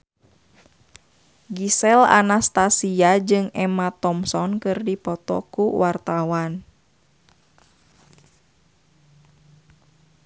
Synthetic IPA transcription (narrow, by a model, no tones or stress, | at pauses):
ɡisɛla̰nast̪asiad͡ʒɨŋɛmat̪ɔmsɔnkɨrdipɔt̪ɔ̰kuwʔart̪awan